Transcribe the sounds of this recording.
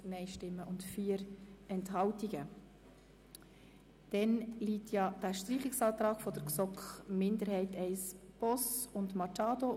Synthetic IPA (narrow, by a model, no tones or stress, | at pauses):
nɛɪʃtɪmːəʔʊntfiːəɾɛnthɑltiɡ̥ə | d̥ɛnliːtjɑd̥æʃtriːχɪksɑːt̪ɾɑːɡ̥fɔd̥əɾksɔkχmɪndəɾhɛɪtɛɪsb̥ɔsʊndmɑt͡ʃɑːdo